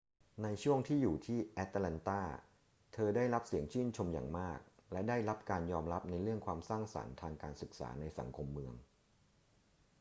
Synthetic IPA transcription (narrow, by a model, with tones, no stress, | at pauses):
na˧jt͡ɕʰu˥˩əŋt̪ʰiː˥˩juː˨˩t̪ʰiː˥˩ʔɛ˦˥t̪̚lɛ˧nt̪aː˥˩ | t̪ʰɤː˧daː˥˩jɾa˦˥p̚si˩˦əŋt͡ɕʰɯː˥˩nt͡ɕʰo˧mja̰ː˨˩ŋmaː˥˩k̚lɛ˦˥daː˥˩jɾa˦˥p̚kaː˧njɔː˧mɾa˦˥p̚na˧jɾɯ˥˩əŋkʰwaː˧msaː˥˩ŋsa̰˩˦nt̪ʰaː˧ŋkaː˧nsɯ˨˩k̚sa̰ː˩˦na˧jsa̰˩˦ŋkʰo˧mːɯ˧əŋ